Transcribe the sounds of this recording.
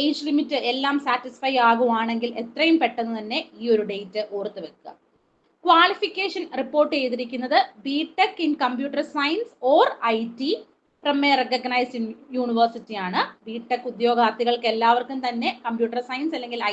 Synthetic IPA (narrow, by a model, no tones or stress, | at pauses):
ejd͡ʑɨlimitːɨʔe̞lːaːmsaːtːisfɐjaːɣuʋaːɳe̞ŋɡilʔe̞t̪rɐjumpe̞ʈːɐnːɨt̪ɐnːe̞iːo̞ɾuɖe̞jtːɨʔoːrt̪ːɨʋekːɐ̰ | kʋaːɭifikʲːeːʂɐnripːo̞ːrʈːɨe̞jðiɾikʲːunːɐðɨbiːʈːɐkːinkɐmpjuːʈːɐrsɐjnso̞ːrɐjti | prɐmeːrekɐɡɐnɐjsjuːɳiʋɐrsitːijaːɳɨbiːʈːɐkːud̪jo̞ːɡaːt̪ːiɣɐɭke̞lːaːʋɐrkumt̪ɐnːe̞kɐmpjuːʈːɐrsɐjnsɐlːe̞ŋɡilɐ